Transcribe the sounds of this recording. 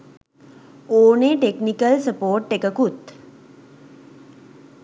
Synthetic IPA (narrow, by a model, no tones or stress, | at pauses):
oːneːʈeknikəlsəpoːʈːekəkut̪